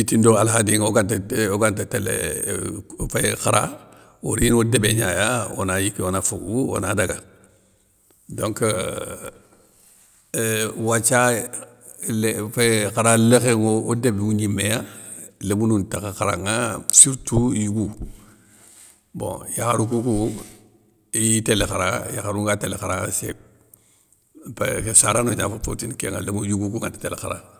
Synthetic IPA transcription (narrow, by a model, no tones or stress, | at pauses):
itindoalɦadiŋoɡantaoɡantatelḛ | fekaɾa̰ | oɾinodebeɲajao̰najikionafoɡuo̰nadaɡa̰ | dõŋk | wat͡ʃa | lefekaɾalexeŋoodebuɲimejalemununtakaxaɾaŋasiɾtujuɡu | bõ̰jaxaɾukuku | itelexaɾajaxaɾuŋɡatelekaɾasḛ | pḛksaɾanoɲa̰fafo̰tinkḛŋa̰lmujuɡukuŋatḁtelexaɾa̰